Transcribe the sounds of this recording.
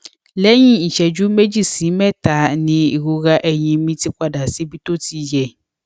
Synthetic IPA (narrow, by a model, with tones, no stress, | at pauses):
lɛ˦ɲĩ˦˨n̩˨ʃɛ˨d͡ʒu˦me˦d͡ʒi˦˨si˨˦mɛ̃˦ta˨˦nĩ˨i˨ɣo˨ɣa˦ʔɛ˨ɲĩ˨mĩ˦ti˦kʷa˦da˨si˦bi˦t̪o˦tʰi˦jɛ˨